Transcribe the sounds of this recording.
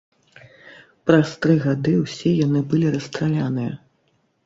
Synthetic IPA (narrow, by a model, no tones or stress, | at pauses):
pɾast̪ɾɨɣad̪ɨwsʲɛjanɨbɨlʲiɾɐst̪ɾalʲanɨjɐ̰